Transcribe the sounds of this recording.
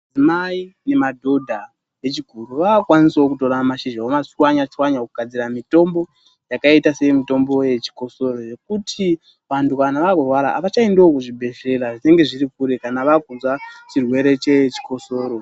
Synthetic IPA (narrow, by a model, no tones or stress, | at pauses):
ad͡zimaine̞madʱo̞dʱa | je̞t͡ʃiɡʱuɾuʋaːkwanisaokuto̞ɾamaʃiʒaomasiwaɲat͡ʃiwaɲaokuɡ̥ʱad͡ziramito̞mbo̞ | jakaitase̞mito̞mbo̞je̞t͡ʃi̥ko̞so̞ro̞je̞k̚utʰi | ʋantukanaʋakorwaɾaːʋat͡ʃaendeokuʐibʱe̞ʃe̞ɾaʐine̞ŋɡe̞ʐiɾikuɾekanaʋakunzwat͡ʃirwe̞ɾe̞t͡ʃe̞t͡ʃi̥ko̞so̞ːɾo̞